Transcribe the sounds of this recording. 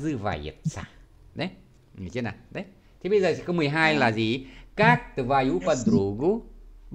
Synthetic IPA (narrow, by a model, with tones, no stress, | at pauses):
zɨ˧va̰ː˧˩jḭ˧˩ət̪̚sa̰˧˩ | ɗə˨˦j | ŋ˨˩t͡ɕi˧˦na̰ː˨˩ɗə˨˦j | t̪ʰi˨˩ɓə˧jzəː˨˩i˧˩kɔ˧˦mɨ˨˩əjɦaː˧jlaː˨˩zi˨˩kaː˦˥k̚t̪ɨ˨˩vaː˧ju˧˦pa˧d̪ɾu˨˦ɣu˧˦